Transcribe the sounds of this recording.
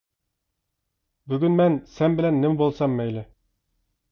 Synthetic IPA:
bɵɡɘnmænsænbɘ̆lænːɘmbolˠsɑmːæjlɘ

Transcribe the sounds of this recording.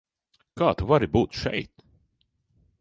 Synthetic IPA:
kʰaːt̪uvaɾɪbut̪ʃɛ̰jt̪

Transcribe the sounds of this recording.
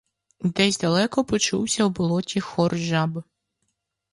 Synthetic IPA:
d̪ɛzʲd̪ɐlˠɛkɔpɔt͡ʃṵwsʲɐwbɔlˠɔtʲixɔrʒab

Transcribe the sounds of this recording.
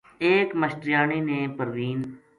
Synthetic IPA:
eːkməʃʈɾɪjaːɳiːneːpəɾd̪iːn

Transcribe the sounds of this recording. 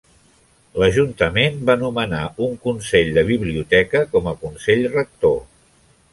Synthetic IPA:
ləʒunt̪əmenbanumənauŋkunsɛʎd̪əβ̞iβliut̪ɛkəkɔməkunsɛʎrək̚t̪o

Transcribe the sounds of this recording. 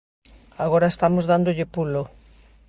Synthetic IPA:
aɣ̞oɾaest̪amozðand̪oʎɪpulo

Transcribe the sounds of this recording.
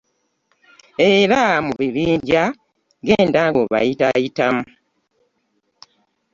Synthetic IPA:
eɾamuβiβiːnda | ɡe̞ːndaɡoβa̰jitajitamu

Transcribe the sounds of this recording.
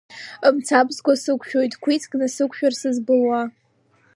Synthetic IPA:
əmt͡sʰabzɡʷasɨkʷʰʼʃᶣojtʼkʷʰit͡sʰʼkʼnɨsɨkʷʰʼʃᶣarsɨzbɨlwa

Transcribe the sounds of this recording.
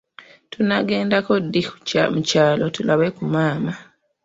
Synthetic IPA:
tunaɡe̞ːndako̞dːimucaːlo̞tulaβekumaːma

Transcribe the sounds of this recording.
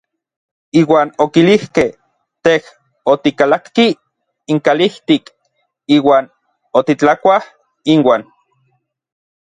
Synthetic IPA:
iːwaːnokilihkeh | t̪eh | ot̪ikalakːi | iŋkaliht̪ik | iːwaːn | ot̪it͡ɬakʷah | inwaːn

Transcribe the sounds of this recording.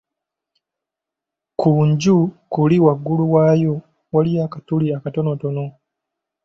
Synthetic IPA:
kuːɲɟukuliwaɡːuluwaːjo̞ | walijaːkatuliakato̞no̞to̞no̞

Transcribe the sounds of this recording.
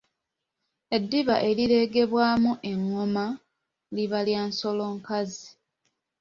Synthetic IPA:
e̞dːiβaʔe̞liɾe̞ɡe̞βwaːmuʔe̞ŋːoma | liβaljaːnso̞lo̞ːŋkazi

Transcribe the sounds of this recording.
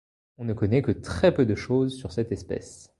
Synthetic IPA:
ɔ̃nəkɔnɛkət̪χɛpød̪əʃozsyʁsɛt̪ɛspɛ̰s

